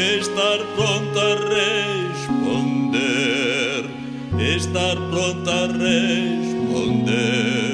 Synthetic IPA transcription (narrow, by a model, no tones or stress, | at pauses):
est̪aɾpɾõnt̪oarespond̪e | ɾ | est̪aɾpɾõnt̪arespo̰nd̪e